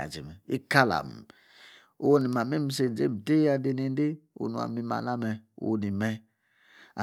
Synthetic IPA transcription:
a̰˨d͡ʒe˨mɛ˨i˦ka˦la̰˨m˨ | o˦wo˦ni˨ma˨me˦m̩˦se˧˨d͡ʒḛ˦m̩˨te˦a˧de˧ne˧n˦de˦o̰˨nu˨a̰˨mi˧ma̰˨la˦mɛ˧o̰˦o˧ni˨mɛ˧ | a˨

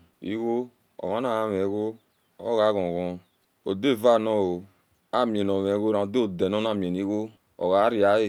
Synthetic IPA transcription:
ḭ˦ɣo˦ | ɔ̰˨ma˦na˦˨a˦m˨e˨˦ɣo˦ | o̰˦ɣa˦ɣɔ̃˨ɣɔ̃˨ | o˨de˦˨va˦˨nɔ˦˨o˨ | a˦mi˨e˨no˨m˨e˨˦ɣo˦ɾã˨˦do˦o˨de˨nɔ˦na˦˨mi˨e˨ni˦ɣo˦ | ɔ̰˨ɣa˨˦ɾi˦a˨˦e˦˨

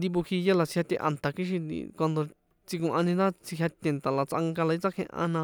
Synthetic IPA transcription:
nd̪i˧βu˧hi˧ja˦la˨t͡si̥˧ha˧t̪ḛ̃˧ʔa̰˧˨nt̪a˨ki˦ʃ̬i˧ḭ˧kʷa˧nd̪o˧ | t͡si˧kũ˧ʔã˧nĩ˧nã˦t͡si˧ɦʲja˧t̪ʲe˧˨nt̪a˨la˨t͡sʔa˧ŋɡa˧la˨i˦t͡sa˦kʰẽ˧ʔã̰˧nã˧

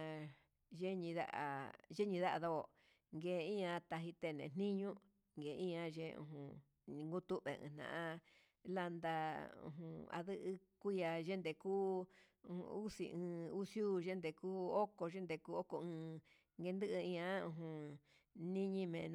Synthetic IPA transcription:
ʒe˦ɲĩ˧ða̰˦ʔa̰˨ʒe˦ɲĩ˧ða˦ʔa˧ðo˦o˨ | ŋɡe˨˧ĩ˦ã˧t̪a˧ɦi˧t̪e˧˨nḛ̃˨n̥ĩ˦ɲũ˦ | ŋɡe˨˧ĩ˦ã˧ʒẽ˧ṵ̃˧ɦũ˧ | ŋɡu˦t̪u˦βḛ˨ɨ̰̃ː˧n̥nã̰˨ʔã˧ | la˧nd̪a˧ṵ̃˧ɦṵ̃˧˨a̰˧ðɨ˦ʔɨ˧ku˦ja˧ʒe˦nd̪e˨kuː˦ | ṵ̃˨˧u˦sḭ˧˨ʔɨ̃ː˧u˦sjuː˦ʒe˦nd̪e˧kuː˦o˦ko˧ʒe˦nd̪e˧kuː˦o˦ko˧ɨ̃ː˧ | ŋɡe˧nd̪ɨ˦ʔɨ˧ĩ˧ã˧˦ũ˧ɦũ˧ | nĩ˦ɲĩ˦mẽ˨ñ˧

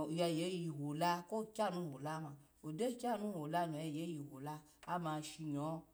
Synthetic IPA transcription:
jɛ˧˨je˨˦ji˧ɦo˨la˦ko˦kʲa˦nũ˦˨wo˨la˦mã˧ | o˨de˦kʲa˦˨nũ˦˨wo˨la˦nũ˨jɛ˧˨je˨˦ji˧˨ɦo˨la˦ | a˦mã˧ʃi˧ɲɔ˨˦

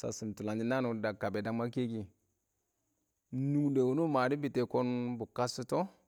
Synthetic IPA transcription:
sa̰˨su˨m˨tu˨la˨d͡ʒi˦na˦nu˨da˨kːa˨be˨da˦ma˦ke˦ɡi˨ | nu˦ŋde˨wu˨˦no˦ma˨di˦bi˨te˨ko˦nbu˨ka˦su˦to˦

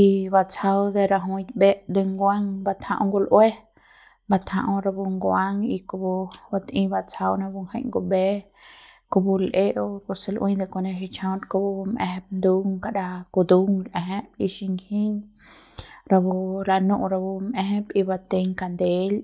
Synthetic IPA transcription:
i˧βa˧˨t͡sa˧wd̪e˧ɾa˧ɦũ˧t̪̚be˦ʔd̪e˧ŋɡʷa˦ŋba˧t̪ʰhã˧ʔũ˧ŋɡu˧lʔwe˦ | ba˧t̪hã̰˧ʔõ˧ɾa˧bu˧ŋɡwa˦ŋi˧ku˧bu˧ba˧t̪ʔĩ˧ba˧t͡sʰa˧wnã˧bu˧ŋha˧jŋɡo˧be˦ | ku˧bu˧lʔe˦ʔo˧ku˧se˧lʔwʔĩ˦jd̪e˧kʷo˧ne˧ʃi˧t͡ʃʰã˧t̪ko˧bu˧mʔḛ˧ɦe˧b̚nd̪u˦ŋka˨ɾa˧ku˧d̪u˦ŋlʔe˨ɦe˦bi˧ʃi˧ŋɡhi˦ɲ | ɾa˧bu˧ɾa˧nũ˧ʔɾa˧bu˧mẽ˧ɦe˦bi˧ba˧t̪e˧ɲka˧nd̪e˦l

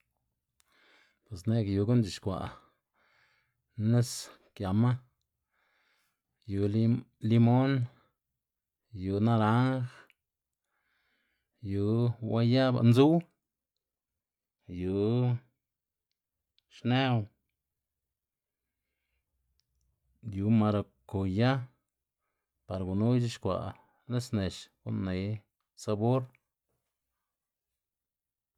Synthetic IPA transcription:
pwe˨s̬ne˦kju˨˧ɡo˦nt͡ʃi˨ʃkʷa̰˨ | ne˦s | kja˨ma˦ | ju˨l | li˦mo˦n | ju˨na˦ɾa˦ŋx | ju˨˦wa˦ja˦ba̰˧nzu˦w | ju˨˦ | ʃne˦w | ju˨˦ma˧ɾo˨ko˨ja˦ | pa˨ɾɡu˨nu˦jd͡ʒi˦ʃkʷa̰˨ | le˦sne˨ʃɡ̥ṵ˦ʔnːe˨˧j | sa˧bo˦ɾ

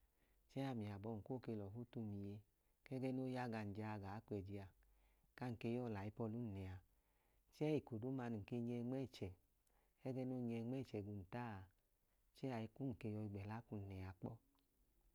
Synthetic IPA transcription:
t͡ʃɛ˦a˧˨mi˨a˨bɔ˧˨ŋ̩˨ko˦˨ke˧lɔ˨ɦu˦tu˧mi˨je˧ | kɛ˦ɡɛ˦no˦ja˦ɡa˧n̩˨d͡ʒa˧ɡa˨˦kʷɛ˨d͡ʒi˧a˧ka˦ŋ̩˨ke˧jɔ˦˨la˨i˧˦pɔ˧lu˦n̩˨nɛ˨a˧ | t͡ʃɛ˦i˨ko˨du˨˦ma˧nu˨ke˧ɲɛ˧ŋ͡mɛ˦˨t͡ʃɛ˨ | ɛ˦ɡɛ˦no˦ɲɛ˧ŋ͡mɛ˦˨t͡ʃɛ˨ɡu˧˨n̩˨ta˦˧˨ | t͡ʃɛ˦a˨i˧˦ku˦ŋ̩˨ke˧jɔ˧i˧ɡ͡bɛ˨la˦ku˧n̩˨nɛ˨a˧k͡pɔ˦

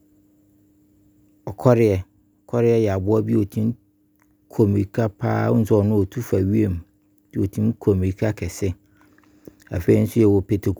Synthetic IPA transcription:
ɔ˨kʰɔ˦ɾɪ˦ɛ˨ | ɔ˨kʰɔ˦ɾɪ˦ɛ˦jɛ˨a˨bʊ˦ɔ˦bi˦o˨tʰĩ˦n˦ | kʰo˨mi˨ɾi˨kʰa˦pʰa̰ː˦n̩˦sʊ˦ɔ˨nʊ̃˦o˨tʰu˦fa˨ɥi˦e˦˨m˨ | d̥ɪ˦˨o˨tʰĩ˦nkʰo˨m˨i˨kʰa˦kʰɛ˨sɪ˦ | a̰˨fe˦i˦n̩˦sʊ˦jɛ˨wɔ˨pʰe˨tʰe˨k

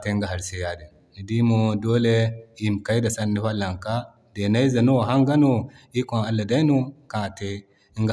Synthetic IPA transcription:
te˦ŋɡa˨ɦa˨ɾse˦ja˨di˨ | ni˨di˦mo˨do˦le˦i˦˨mka˦i˦da˨sa˦nːi˦ɸa˦lːa˨ŋka˦ | de˨na˦i˦za˨nu˦wɦa˦ŋɡa˦nu˨ | i˦kõ˨a˦lːa˨da˦i˦nu˦kã˦˨te˦ | i˦ŋɡ

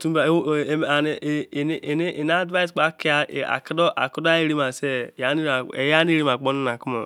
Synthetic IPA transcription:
tu˦ba˨˦˨a˨n˨n˦ʔni˦ʔn˦a˦dva˦i˦sk͡pa˦ki˦a˦˨a̰˨ki˦do˦ʔa̰˨ku˦da˦i˦ɾi˦ma˨se˦˨ja˨˦ni˦ɾe˨ja˦ni˦ɾi˦ma˨k͡po˦ni˦na˨ku˦mo̰˨

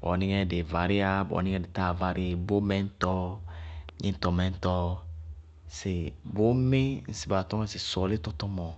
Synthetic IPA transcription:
bɔ̰˨ni˦ŋɛ˦de˨va˨ɾɪ˦a˦bɔ̰˨nĩ˦ŋɛ̃˦˨de˨ta˦˨va˧ɾɪ˦˨bo˦mɛ̃˦n̩˦tɔ˦ | ɲe˦n̩˦tɔ˨mɛ̃˨˦n̩˦tɔ˦˧ | se˨bo˦me˦n̩˨si˨ba˨tɔ˦ŋɛ˦sɪ˨sɔ˨le˦tɔ˦tɔ˦mɔ̃˨

